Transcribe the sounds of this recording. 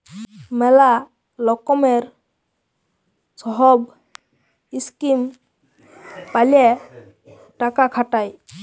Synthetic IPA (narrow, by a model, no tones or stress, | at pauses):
mɛla | lɔkɔmeɾ | sɔɦɔb | iskim | pale | ʈakakʰaʈaj